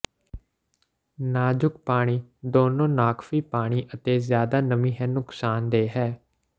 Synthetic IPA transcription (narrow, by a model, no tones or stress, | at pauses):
naːd͡ʒʊk̚paːɽ̃iːd̪oːnõːnaːkʰfiːpaːɽ̃iːʔət̪eːzjaːd̪aːnəmĩːɦɛːnʊksaːnd̪eːɦɛː